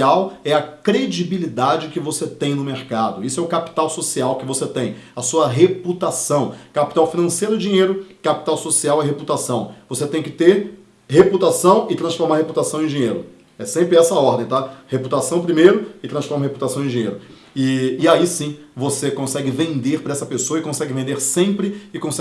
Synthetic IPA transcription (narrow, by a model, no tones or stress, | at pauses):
awɛɐkɾed͡ʒibilid̪ad͡ʒɪkɪvoset̪ẽj̃nʊmeɾkad̪ʊisʊɛʊkapi̥t̪awsosiawkɪvoset̪ẽj̃ɐsuɐɦeput̪asɐ̃w̃kapi̥t̪awfinɐ̃sejɾʊɪd͡ʒĩɲejɾʊkapi̥t̪awsosiawɛɦeput̪asɐ̃w̃voset̪ẽj̃kɪt̪eɾ | heput̪asɐ̃w̃ɪt̪ɾɐ̃sfoɾmaɾheput̪asɐ̃w̃ẽj̃d͡ʒĩɲejɾʊ | ɛsẽmpɾɪɛsɐɔɾd̪ẽj̃t̪aheput̪asɐ̃w̃pɾimejɾʊɪt̪ɾɐ̃sfɔɾmɐheput̪asɐ̃w̃ẽd͡ʒiɲejɾʊ | ɪːaisĩvosekõsɛɡɪvẽnd̪eɾpɾɐɛsɐpesoɐɪkõsɛɡɪvẽnd̪eɾsẽmpɾɪɪkõsɛ